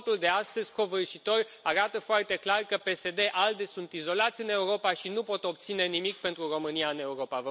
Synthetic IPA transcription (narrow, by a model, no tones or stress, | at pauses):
t̪uld̪e̞ast̪əzʲko̞vɨrʃit̪o̞rʲ | aɾat̪əfoart̪e̞klarkəpe̞se̞d̪e̞ʔald̪esunt̪izo̞lat̪sʲɨne̞uɾo̞paʃinupo̞t̪o̞pt̪sine̞nimikpe̞nt̪ɾuro̞mɨniaɨne̞uɾo̞pavə